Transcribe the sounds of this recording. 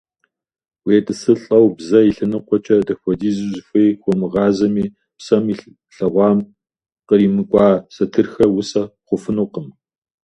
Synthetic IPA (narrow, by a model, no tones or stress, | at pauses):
weːtʼɨsɨɬʼɐwbzɐiɬɐnɨqʷɔt͡ʃʼɐdɐxʷɔdiːzɨzfʷejxʷɔmɨʁɑːzɐmiː | psɐmiː | ɬɐʁʷɑːm | qəriːmɨkʷʼɑːsɐtʰɨrxɐwʊsɐqʷʊfɨnuqəm